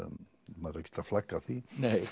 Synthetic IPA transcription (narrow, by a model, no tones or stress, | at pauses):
maɾəki̥t̪ʰaflakaθinej